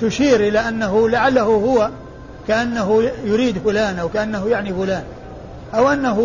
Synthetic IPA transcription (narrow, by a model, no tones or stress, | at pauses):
t̪ʊʃiːɾʔɪlaʔanːaɦʊlaʕalːaɦʊhʊwa | kaʔanːaɦʊjʊɾiːd̪fʊlaːnʔawkaʔanːaɦʊjaʕnifʊlaːn | ʔawʔanːaɦʊ